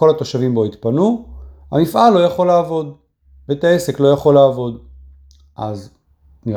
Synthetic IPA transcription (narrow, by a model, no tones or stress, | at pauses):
o̞lat̪o̞ʃavimbo̞it̪panuha̰mifʔalːo̞jaχo̞laːvo̞d̪ | veet̪ae̞se̞klo̞jaχo̞laːvo̞d̪ | ʔaz | ni